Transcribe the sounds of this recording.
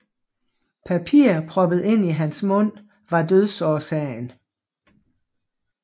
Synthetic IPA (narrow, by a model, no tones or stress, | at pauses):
pʰæpʰiːɐpʰʁɒ̽b̥əð̩ˠe̝n̰iɦænsmɔ̽n̰ | ʋɑ̈døð̞ˠsɒːsɛɪn